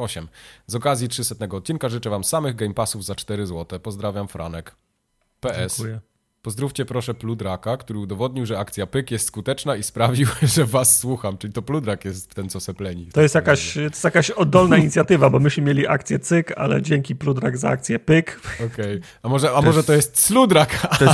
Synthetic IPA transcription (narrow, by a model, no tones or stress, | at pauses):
ɔɕɛmzɔkazʲjitʂɘsɛt̪nɛɡɔːt̪̚t͡ɕinkaʐɘt͡ʂɛvamsamɘɣɡɛjmpasuvzat͡ʂt̪ɛɾɘzwɔt̪ɛpɔzd̪ɾavʲjamfɾʔa̰nɛk | pɛɛssujɛ | pɔzd̪ɾuft͡ɕɛpɾɔʂɛplud̪ɾakakt̪uɾɘud̪ɔvɔd̪̚ɲiwʐɛakt̪sʲjapɘkjɛst̪skut̪ɛt͡ʂnaispɾavʲiwʐɛvasːwuxamt͡ʂɘlʲit̪ɔplud̪ɾakjɛst̪t̪ɛnsɔsɛplɛɲit̪ɔjɛst̪jakaɕst̪jakaɕɔd̪ːɔlnaiɲit̪sʲjat̪ɘvabɔmɘɕmɘmjelʲiʔa̰k̚t̪sʲjɛt̪sɘka̰lɛ̰d͡ʑɛŋkʲiplud̪ɾaɡza̰a̰k̚t̪sʲjɛpɘkɔkɛj | amɔʐɛamɔʐɛt̪ɔjɛst̪slud̪ɾakʰa